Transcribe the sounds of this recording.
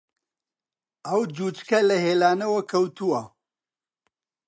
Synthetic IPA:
ɐwd͡ʒuːt͡ʃkɐlɐɦeːlaːnɐwɐkʰɐwt̪uwɐ

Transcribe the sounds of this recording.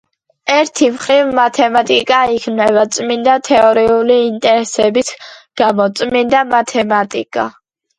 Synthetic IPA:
ɛɾt̪ʰimχɾivmat̪ʰɛmat̪ʼikʼaikʰnɛbat̪sʼmind̪at̪ʰɛɔɾiuliːnt̪ʼɛɾɛsɛbisɡ̥amɔt̪sʼmind̪amat̪ʰɛmat̪ʼḭkʼa̰

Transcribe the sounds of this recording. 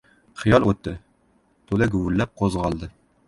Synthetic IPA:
χɤ̆jɑlˠut̪ːɘ | t̪ulɘɡʉwɘ̆lːæp̚qozʁɑlˠd̪ɤ

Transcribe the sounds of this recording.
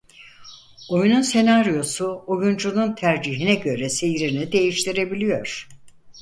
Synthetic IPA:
o̞jununse̞naɾijo̞suojund͡ʒununt̪ʰæɾd͡ʒiɦinɛɟø̞ɾɛse̞jiɾinid̪e̞jiʃt̪ʰiɾe̞bilʲijo̞ɾ̥

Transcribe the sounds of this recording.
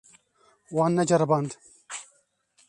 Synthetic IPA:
waːnːɐd͡ʒɐɾband̪

